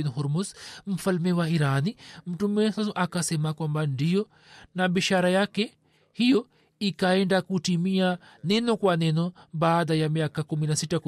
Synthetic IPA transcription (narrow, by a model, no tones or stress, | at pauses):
niɦɔɾmɔzm̩falmɛwaiɾanim̩tumɛsasuʔakasɛmakwambandijɔ | naɓiʃaɾajakɛ | hijɔ | ikaɛndakutimia | nɛnɔkwanɛnɔbaːðajamiakakuminasitak